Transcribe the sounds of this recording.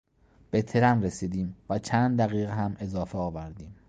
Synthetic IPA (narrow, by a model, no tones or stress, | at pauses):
b̥e̞t̪ʰeɾænɾesiːd̪iːmvæt͡ʃʰæːnd̪̚d̪æɣiːɣeɦæme̞zɒːfeɒːvæɾd̪iːm